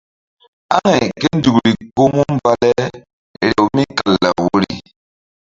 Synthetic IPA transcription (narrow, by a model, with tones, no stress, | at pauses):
a̰˦ŋɛ˨ke˦n̩˦du˨kɾi˨ko˦mu˦m˦ba˦lɛ˦˨ | ɾɛ˨wmi˦ka˨lːa˨wo˦ɾḭ˨